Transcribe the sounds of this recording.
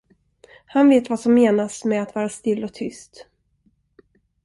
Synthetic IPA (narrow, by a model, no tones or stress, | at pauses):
hanveːt̪vasɔmːeːnasmɛat̪vɑːɾast̪ɪlːɔk̚t̪ʰʏst̪